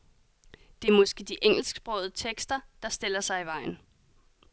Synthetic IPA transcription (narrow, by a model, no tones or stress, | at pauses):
d̥e̝ɐmɒ̽sɡ̥e̝d̥iʔeŋ̰l̩sɡ̥sb̥ʁɔ̽ʊðˠt͡sʰeɡ̥sd̥ɐd̥ɑ̈sd̥e̝l̰ɐsɑ̈ɪiʋɑ̈ɪ̰n̩